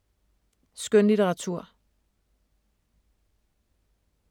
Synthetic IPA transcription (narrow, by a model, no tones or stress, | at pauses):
sɡ̥ønlit͡seʁɑ̈t͡sʰuɐ̰